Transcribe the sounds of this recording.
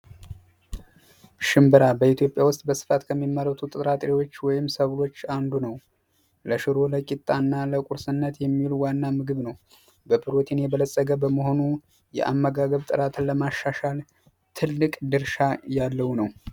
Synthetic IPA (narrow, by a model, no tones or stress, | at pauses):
ʃɨmbɨɾabəit̪ʰjo̞pʼjawʊst̪ʼbəsɨ̥fat̪kʰəmːimːəɾət̪ʰut̪ʼɨt̪ʼɾat̪ʼɾiwo̞t͡ʃːwɔjɪmsəβlo̞t͡ʃːand̪unəw | ləʃɨɾo̞ləkʼit̪ʼːanːaləkʼuɾsɨnːət̪jɛmːiluwanːamɨɡɨβnəw | bəbɨɾo̞t̪ʰinjɛbələsʼəɡəbəməho̞nu | jɛ̰ʔamːəɡaɡəβt̪ʼɨɾat̪ʰɨləmaʃːaʃal | t̪ʰɨlːɨkʼd̪ɨɾʃajalːəhunəw